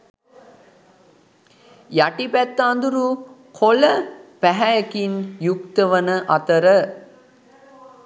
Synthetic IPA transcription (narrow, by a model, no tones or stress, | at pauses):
jaʈipæt̪ːnd̪uɾukʰoləpæɦæjəkinjukt̪əʋənəʔat̪əɾə